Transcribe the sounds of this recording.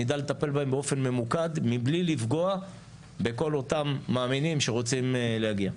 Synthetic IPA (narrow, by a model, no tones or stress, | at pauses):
id̪alet̪ape̞lbaembeo̞fe̞nme̞mukad̪miblilifɡo̞a | be̞ko̞lo̞tamːaːminimʃe̞ʁo̞t͡simlehaɡia